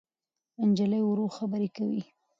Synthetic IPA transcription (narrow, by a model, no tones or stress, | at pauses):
and͡ʒaləjʊɾoxabəɾekawḭ